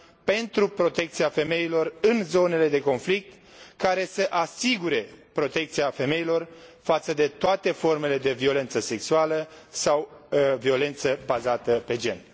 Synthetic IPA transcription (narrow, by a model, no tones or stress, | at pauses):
pe̞nt̪ɾupɾo̞t̪e̞k̚t̪siafe̞me̞ilo̞rɨnzo̞ne̞le̞d̪e̞ko̞nflik̚t̪ | kaɾe̞səʔasiɡuɾe̞pɾo̞t̪e̞k̚t̪siafe̞me̞ilo̞rfat̪səd̪e̞t̪oat̪e̞fo̞rme̞le̞d̪e̞vio̞le̞nt̪səse̞ksualə | sawvio̞le̞nt̪səbazat̪əpe̞d͡ʒe̞̰n